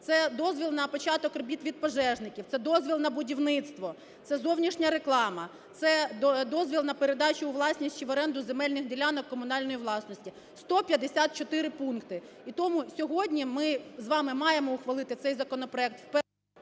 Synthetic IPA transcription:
t̪sɛd̪ɔzʲʋʲilˠnɐpɔt͡ʃɑt̪ɔkrbʲit̪ʋʲid̪̚pɔʒɛʒnɪkʲiwtsɛd̪ɔzʲʋʲilˠnɐbʊdʲiwnɪt̪st̪ʋɔ | tsɛzɔwnʲiʃnʲɐɾeklˠɑmɐ | t̪sɛd̪ɔzʲʋʲilˠnɐpeɾed̪ɑt͡ʃʊːʋlˠɑsʲnʲisʲt͡ʃʲiʋɔɾɛnd̪ʊzemɛlʲnɪxdʲilʲanɔkkːɔmʊnɑlʲnɔjiʋlˠɑsnɔsʲtʲi | st̪ɔpʲjɐd̪esʲat̪̚t͡ʃɔt̪ɪɾɪpunkt̪ɪ | it̪ɔmʊsʲɔɦɔdʲnʲimɪzʋɑmɪmɑjemɔʊxʋɐlˠɪt̪ɪt̪ɛjzɐkɔnɔpɾɔɛk̚t̪wp

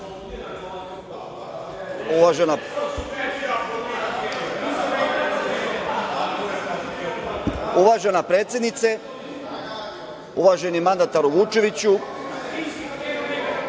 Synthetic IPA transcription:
uʋaʒena | uʋaʒenapɾeːt̪sjed̪nit̪se | uʋaʒenimand̪at̪aɾuʋut͡ʃe̞ʋit͡ɕu

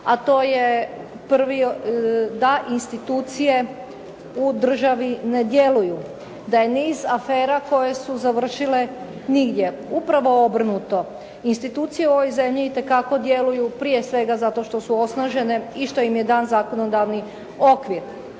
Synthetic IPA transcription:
at̪o̞ːje | pr̩ʋi | d̪aʔinst̪it̪uːt̪sije̞ | ud̪r̩ʒaʋine̞d̪je̞luju | d̪aje̞niːzafeːɾako̞je̞suzaʋr̩ʃile̞ | niɡd̪je̞ | upɾaʋo̞o̞br̩nut̪o̞ | inst̪it̪uːt̪sijeuo̞ʋojze̞mʎiːt̪e̞kako̞d̪je̞lujupɾije̞sʋe̞ɡazat̪o̞ʃt̪o̞suo̞snaʒe̞ne̞iʃt̪o̞jimje̞d̪aːnzaːko̞no̞d̪aʋni | o̞kʋiɾ

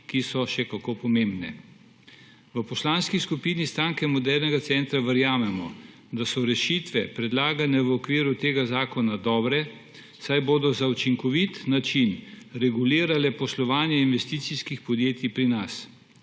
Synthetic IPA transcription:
kisɔʃɛkakoːpɔmembnɛ̰ | ʋəpɔslaːnskiskupinist̪ɾaːŋkɛmɔd̪ɛɾnɛɡat̪sɛnt̪ɾaʋəɾjaːmɛmɔ̰ | d̪asɔɾɛʃiːt̪ʋɛpɾɛd̪laːɡanɛʋəɔkʋiːɾut̪eːɡazaːkɔnad̪ɔːbɾɛ | sajboːd̪ɔzaut͡ʃiŋkɔʋit̪nat͡ʃinɾɛɡuliːɾalɛpɔslɔʋaːnjɛinʋɛst̪iːt̪siskixpɔd̪jeːt̪ipɾinas

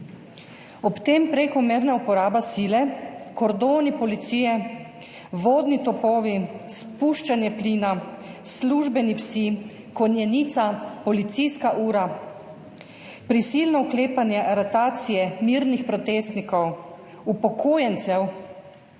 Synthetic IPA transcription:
ɔpt̪eːmpɾeːkɔmeɾnaupɔɾaːbasiːlɛkɔɾd̪oːnipɔlit̪siːjɛ | ʋoːd̪nit̪ɔpoːʋispuːʃt͡ʃanjɛpliːnasluʒbɛnipsi | kɔnjɛnit̪sapɔlit̪siskaʔuːɾa | pɾisilnɔukleːpanjɛʔaɾat̪aːt̪sijɛmiɾnixpɾɔt̪eːst̪nikɔw | upɔkʰoːjɛnt̪sɛw

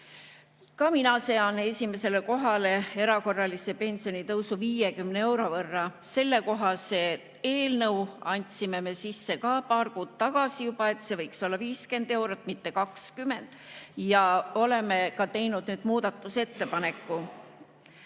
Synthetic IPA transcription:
kɑminɑseɑnːee̞sʲime̞se̞le̞ko̞ɦɑle̞e̞ɾɑko̞rːɑlisepe̞nʲsio̞nit̪ɤwsuviːjekymnee̞wɾo̞vɤrːɑse̞lːe̞ko̞ɦɑse̞ | e̞ːlnɤwɑnʲt̪sime̞me̞sisːe̞kɑːpɑːrkuːd̪̥̚t̪ɑɡ̥ɑsijubɑe̞t̪se̞vɤjkso̞lːɑviːske̞nd̪̥e̞wɾot̪ːˑmit̪ːe̞kɑkskyme̞nd̪̥jɑo̞le̞me̞kɑt̪e̞jnud̪̥nyːd̪̥muːd̪̥ɑt̪ːˑuse̞t̪ːe̞pɑne̞kːˑu

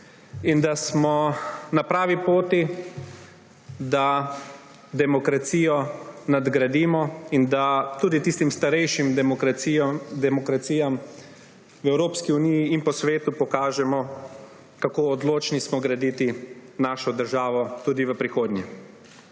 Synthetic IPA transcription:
ind̪asmɔnapɾaːʋipoːt̪i | d̪a | d̪ɛmɔkɾat̪siːjɔnad̪ɡɾad̪iːmɔind̪at̪uːd̪it̪ist̪imst̪aɾɛjʃimkɾaid̪ɛmɔkɾat̪siːjam | ʋɛwɾoːpskiunijiinpɔsʋeːt̪upɔkaːʒɛmɔ | kakoːd̪loːt͡ʃnismɔɡɾad̪iːt̪inaːʃɔd̪əɾʒaːʋɔt̪uːd̪iʋəpɾixoːd̪nʲɲɛ

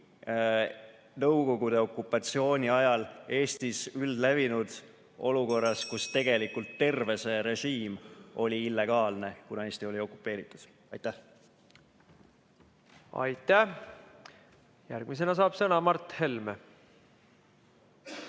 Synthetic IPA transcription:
nɤwko̞ɡ̥ud̪̥e̞o̞kːˑupːˑɑt̪sio̞ːnʲiɑjɑle̞ːst̪isyld̪lævinud̪̥ | o̞luko̞rːɑskust̪e̞ɡ̥e̞likult̪ːe̞rve̞se̞ɾe̞ʒiːmo̞lʲiilːe̞ɡ̥ɑːlne̞kunɑe̞ːsʲt̪io̞lʲio̞kːˑu̥pːˑe̞ːɾit̪ːˑud̪̥ | ɑjt̪ːˑæh | ɑ̰jt̪ːˑæh | jærɡ̥mis̬e̞nɑs̬ɑːb̥sɤnɑmɑrt̪he̞lme

